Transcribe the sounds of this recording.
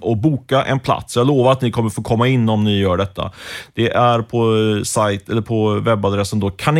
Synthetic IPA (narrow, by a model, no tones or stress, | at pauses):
ɔbuːkaʔɛ̰npʰla̰t̪sɔjɑːɡloːvaɾat̪nɪkʰɔmːəɾfoːkʰɔmːaɪnːɔmnɪjœːɖɛt̪ʰːa̰d̪̥ɛʔæɾpʰɔsajt̪ɛlːəɾpʰɔvɛbːad̪ɾɛsːənd̪oːkʰan